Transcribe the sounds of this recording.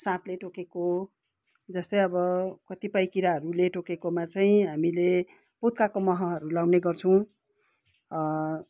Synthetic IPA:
sãpleʈokeko | d͡zʌst̪ʌjʌbʌkʌt̪ipʌjkiɾaɦʌɾuleʈokekomat͡saĩɦamile | put̪kakomʌɦʌɦʌɾulawneɡʌrt͡sʰʌw̃

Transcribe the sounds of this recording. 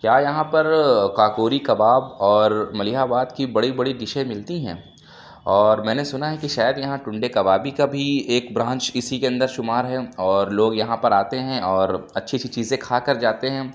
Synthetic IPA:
kjaːjɐɦãpɐɾkaːkoːɾikɐbaːbɔːɾmɐlɪɦaːbaːd̪kibɐɽibɐɽiɖɪʃemɪlt̪iɦɛ̰̃ | ɔːɾmɛ̃ːnesʊnaɦɛkiʃaːjəd̪jɐɦãʈʊ̃ɳɖekɐbaːbikabʱieːkbɾãːɲt͡ʃɪsikeɐ̃nd̪əɾʃʊmaːɾɦɛɔːɾloːɡjɐɦãpɐɾaːt̪eɦɛ̃ʔɔːɾɐtːʃʰit͡ʃʰit͡ʃiːzẽkʰaːkɐɾd͡ʒaːt̪eɦɛ̃ː

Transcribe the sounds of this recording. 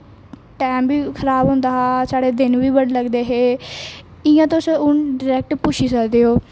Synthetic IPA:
ʈɛːmbiːkʰəɾaːbɦõːnd̪aːɦaːsaːɽeːd̪ɪnʋiːbəɽləɡd̪eːɦeː | ɪjãːt̪ːsʊnɖɪɾɛːk̚ʈpuːʃʰiːsəkd̪eːɦoː

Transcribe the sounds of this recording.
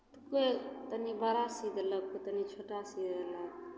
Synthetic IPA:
t̪koet̪ənibəɾasid̪ʱələk̚kot̪ənit͡ʃʰoʈasid̪ʱələɡ̚

